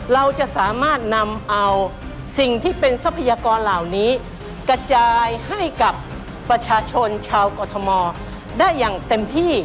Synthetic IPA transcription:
ɾa˧wt͡ɕa˨˩ʔsaː˩˦maː˥˩t̪̚na˧mʔa˧w | si˨˩ŋt̪ʰiː˥˩pe˧nsa˦˥pʰːa˧jaː˧kɔː˧nlaː˨˩wniː˦˥ | kɾa˧t͡ɕaː˧jha˥˩jka˨˩pː | ɾa˧t͡ɕʰaː˧t͡ɕʰo˧nt͡ɕʰaː˧wkɔː˧t̪ʰɔ˧mɔː˧ | daː˥˩jːaː˨˩ŋt̪e˧mt̪ʰiː˥˩

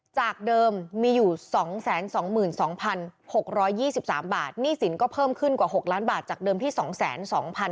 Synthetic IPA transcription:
t͡ɕaː˨˩k̚dɤː˧mːiː˧juː˨˩sɔː˩˦ŋsɛː˩˦nsɔː˩˦ŋmɯː˨˩nsɔː˩˦ŋpʰa˧nho˨˩k̚ɾɔː˦˥jːiː˥˩si˨˩p̚sa̰ː˩˦mbaː˨˩t̪̚niː˥˩si˩˦nkɔː˥˩pʰɤː˥˩mkʰɯ˥˩nkwaː˨˩ɦo˨˩k̚laː˦˥nbaː˨˩t̪̚t͡ɕaː˨˩k̚dɤː˧mt̪ʰiː˥˩sɔː˩˦ŋsɛ̰ː˩˦nsɔ̰ː˩˦ŋpʰa˧n

